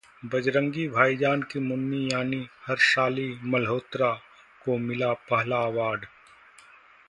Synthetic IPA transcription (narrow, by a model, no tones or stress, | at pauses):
bɐd͡ʒɾə̃ŋɡibʱaːid͡ʒaːnkimʊnːijaːnihɐɾʃaːlimɐlɦoːt̪ɾa | komɪlapɐɦlaːʋaːɖ